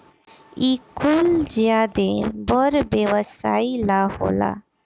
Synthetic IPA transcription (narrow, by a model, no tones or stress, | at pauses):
ikuld͡ʒjad̪ebɔɾbjewəsailaho̰la̰